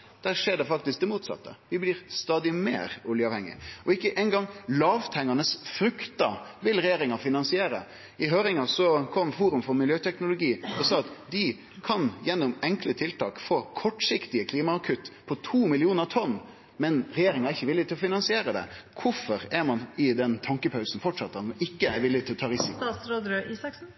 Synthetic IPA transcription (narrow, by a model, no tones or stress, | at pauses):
d̪̥æːɾʂeːɖɛfɑk̚t̪ɪsk̚d̪ɛmuːt̪sɑ̰t̪ːə̰ʋɪblɪːɾst̪ɑːd̪ɪmḛːɾʊljəɑːʋhɛŋːɪ̰ʔɔɪkːəʔɛnɡɑŋːlɑːʋt̪ʰɛŋːɑnəsfɾʉkt̪əʋɪlɾɛjeːɾɪŋɑfɪnɑnsɪeːɾə̰ | ʔɪɦøːɾɪŋɑsɔkʰɔmfuːɾʉmfɔɾmɪljøːt̪ʰɛknʊlʊɡiːɔsɑːɑt̪d̪ɪ | kʰɑnjɛnːʊmɛŋklət̪ʰɪlt̪ʰɑːkfoːkʰɔʈːsɪkt̪ɪəkʰliːmɑɑkʰʉt̪pʰɔt̪ʰuːmɪlɪuːnəɾɑt̪ʰɔnː | mɛnɾɛjeːɾɪŋɑɾæɾɪçːəʋɪlːɪt̪ʰɪlɔfɪnɑnsɪeːɾəd̪ɛ̰kʰʊfɔɾæɾmɑnɪd̪ɛnt̪ʰɑŋkəpʰɑʉsn̩fɔʈʂɑt̪ːəɪkːəæɾʋɪlːɪt̪ɪlɔt̪ʰɑːɾɪsɪk̪ɑːsɾoːd̪ɾøʔiːsɑks